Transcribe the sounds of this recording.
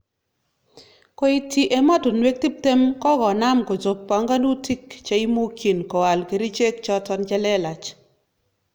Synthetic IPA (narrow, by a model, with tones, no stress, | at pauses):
ko˨˦i˨ti˨ʔe˨ma˦to˨nwe˦k̚ti˦p̚te˦mkɔ˦ɡɔ˨na˦mko˨d͡ʒo˨k̚pa˨ŋɡa˦nu˦ti˦kt͡ʃa˦i˦mo˦ki˨nkɔ˨wa˨lke˨ɾi˦t͡ʃe˦kt͡ʃɔ˦tɔ˦nt͡ʃa˦lɛ˦la˨t͡ʃ